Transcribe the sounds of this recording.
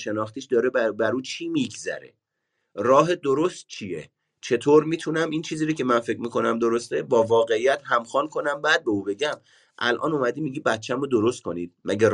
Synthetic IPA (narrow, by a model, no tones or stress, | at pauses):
ʃe̞nɒːχt̪iːʃd̪ɒːɾebæɾuːt͡ʃʰiːmiɡzæ̰ɾḛ | ɾɒːɦe̞d̪o̞ɾost̪̚t͡ʃʰijḛ | t͡ʃʰe̞t̪ʰoːɾmiːt̪ʰunæmiːnt͡ʃʰiːziːɾocʰe̞mænfe̞cʰmiːkʰo̞næmd̪o̞ɾost̪ebɒːvɒːɣe̞ijæt̪ɦæmxɒːnkʰo̞næmbæːd̪̚beuːbe̞ɟæm | ʔælʔɒ̰ːnumæd̪iːmiɟiːbæt̪t͡ʃʰːæmod̪o̞ɾo̞st̪̚kʰonid̪̚mæɟæɾ